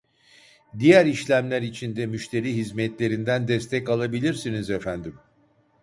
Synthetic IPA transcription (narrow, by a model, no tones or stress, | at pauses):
d̪ijæɾiʃlʲæmlʲæɾit͡ʃʰind̪ɛmyʃt̪ʰe̞ɾiːɦizmɛt̪lʲe̞ɾind̪ænd̪ɛst̪ʰɛcalˠabilʲiɾsinizɛfænd̪im